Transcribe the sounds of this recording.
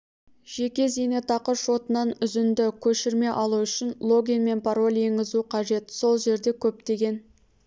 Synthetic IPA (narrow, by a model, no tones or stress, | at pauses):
ʒ̥e̞kʲe̞zene̞t̪ʰɑqəʃo̞t̪ənɑnʏzɪnd̪ɪkʲʰɵʃɪɾme̞ʔɑlˠuʏʃɪnlˠo̞ɡʲinme̞npʰaɾo̞lʲje̞ŋɡʲɪzuqʰɑʒe̞t̪so̞lˠʒe̞ɾd̪e̞kʲʰɵp̚t̪e̞ɡʲe̞n